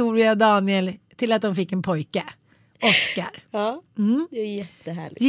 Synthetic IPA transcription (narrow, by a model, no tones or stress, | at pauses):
uːɾɪɑd̪ɑːnɪəlt̪ʰɪlɑt̪̚d̪ɑmfɪkːɛnpʰɔʏkə | ɔskəɾ̩ | jɛt̪ːəɦæ̰ːɭɪ